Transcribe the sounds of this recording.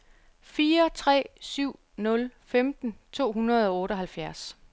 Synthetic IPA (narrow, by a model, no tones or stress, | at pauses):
fiːɐt͡sʰʁɛ̰ːsyʊ̰ | nɔ̽lfemd̥n̩t͡sʰo̝̰ːɦunɐð̞ˠɒ̽ɔ̽ːɾ̥əɒ̽ɦælfjæɐs